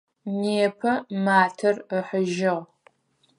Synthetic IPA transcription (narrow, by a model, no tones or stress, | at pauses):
neːpʰɐmaːtʰɐrəħəʒɪʁ